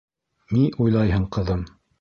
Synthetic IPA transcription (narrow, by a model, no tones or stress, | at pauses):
niʔujlˠɑjɦɤɴqɤ̆ðɤm